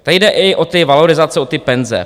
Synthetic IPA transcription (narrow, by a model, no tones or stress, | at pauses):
t̪aɪjdɛʔɪʔot̪ɪvaloɾɪzat͡sɛot̪ɪpɛnzɛ̰